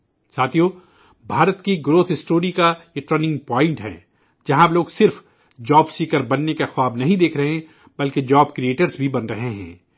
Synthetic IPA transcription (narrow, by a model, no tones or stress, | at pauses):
saːt̪ʰijoː | bʱaːɾət̪kiɡɾoːt̪ʰɪsʈoːɾikajeʈɾɐnɪ̃ŋɡpɔːɪ̃ɳʈɦɛ̰ː | d͡ʒɐɦãbloːɡsɪɾf | d͡ʒɔːbsiːkəɾbɐnːekaxʊwaːbnɐɦĩd̪eːkʰɾɐɦẽ | bɐlked͡ʒaːbkɾieːʈəɾzbʱibɐnɾɐɦeɦɛ̰̃ː